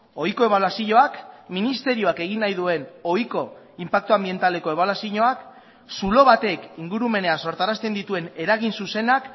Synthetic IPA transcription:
o̞jko̞e̞βalwasiɲo̞akminist̪e̞ɾio̞ake̞ɣ̞inːajðue̞no̞jko̞ | impak̚t̪uambie̞nt̪ale̞ko̞e̞βalasiɲo̞ak | sulo̞βat̪e̞kiŋɡuɾume̞ne̞aso̞ɾt̪aɾast̪e̞nd̪it̪ue̞ne̞ɾaɣ̞insuse̞nak

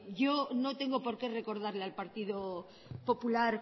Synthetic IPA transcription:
ʝo̞not̪e̞ŋɡopo̞ɾke̞re̞ko̞ɾð̞aɾlealpaɾt̪iðo | po̞pulaɾ

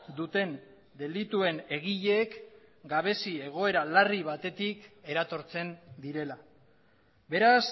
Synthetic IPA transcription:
d̪ut̪e̞n | d̪e̞lit̪ue̞ne̞ɣiʎeːk | ɡaβ̞e̞sie̞ɣ̞o̞e̞ɾalariβ̞at̪e̞t̪ike̞ɾat̪o̞ɾt͡se̞nd̪iɾe̞la | βe̞ɾas

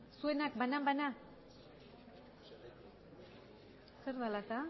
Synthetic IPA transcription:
suenak̚banambana | seɾðalat̪a

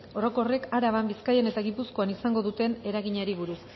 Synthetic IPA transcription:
o̞ɾo̞ko̞re̞kaɾaβambiskaje̞ne̞t̪aɣipusko̞anisaŋɡo̞ðut̪e̞ne̞ɾaɣiɲeɾiβ̞uɾus

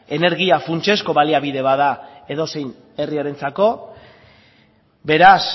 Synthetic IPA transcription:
e̞ne̞ɾɣiafunt͡ʃe̞sko̞βaliaβiðe̞βaðae̞ðo̞se̞jn | e̞riaɾe̞nt͡sako̞ | be̞ɾas

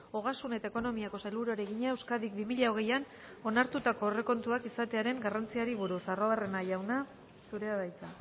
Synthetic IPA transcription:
o̞ɣ̞asune̞t̪aeko̞no̞miako̞salβuɾoɾe̞ɣiɲae̞wskaðik̚bimiʎao̞ɣ̞e̞jan | o̞naɾt̪ut̪ako̞ːre̞ko̞nt̪uakisat̪eaɾe̞ŋɡarant͡siaɾiβuɾusaroare̞najawna | suɾe̞aðajt͡sa

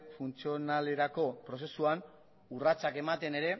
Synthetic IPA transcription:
funt͡sio̞nale̞ɾako̞pɾo̞se̞suan | urat͡sake̞mat̪e̞ne̞ɾe̞

